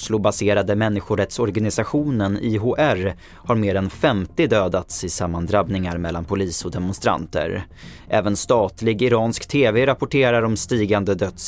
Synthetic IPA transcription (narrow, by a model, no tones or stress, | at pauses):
ʂlʊbaseːɾad̪əmɛnːɪɧʊɾɛt̪sɔɾɡanɪsaɧuːnəniɦoʔæɾ | haɾmeːɾɛnfɛmt̪ɪd̪øːd̪at̪sɪsamːand̪ɾabnɪŋaɾmɛlːa̰npʰʊliːsɔd̪ɛmɔʊnst̪ɾa̰nt̪ə̰ɾ | ʔɛːvənst̪ɑːt̪lɪɡɪɾɑːnskt̪ʰeːveɾapʊʈʰeːɾaɾɔmst̪iːɡand̪əd̪œt̪s